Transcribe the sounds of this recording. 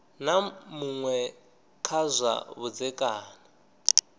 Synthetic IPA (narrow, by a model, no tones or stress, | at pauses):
namuŋwɛ | kʰazʷa̰βud͡zɛkʼaːna